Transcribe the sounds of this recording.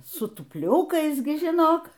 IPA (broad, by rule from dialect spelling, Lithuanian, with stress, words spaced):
sʊ tʊpʲˈlʲʊkɐɪs ˈɡʲɪ ʒʲɪˈnoːk